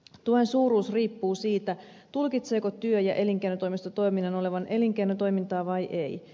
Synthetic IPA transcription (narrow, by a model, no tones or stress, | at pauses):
t̪uoensuːruːsriːpːuːsiːt̪æ | t̪ulkit̪seːkot̪yøjɑʔe̞liŋkenot̪ojmist̪ot̪o̞jminːɑno̞le̞ʋɑnʔe̞liŋkenot̪o̞imint̪ɑːʋɑjʔej